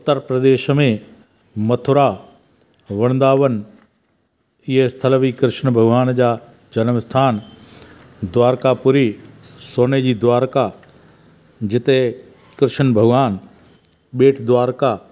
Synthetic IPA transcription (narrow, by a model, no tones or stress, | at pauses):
ʊt̪ːəɾpɾɐd̪eːʃmẽ | mɐt̪ʰʊɾa | ʋɐɽ̃nd̪aːʋən | ɪɦest̪ʰələʋikɾɪʃənbʱɐɡʋaːnd͡ʑaː | d͡ʑɐnəmɪst̪ʰaːn | d̪ʊʋaːɾkapuɾisoːned͡ʑiːd̪ʋaːɾka | d͡ʑɪt̪e | kɾɪʃənbʱɐɡʋaːn | ɓeːʈʰd̪ʋaːɾka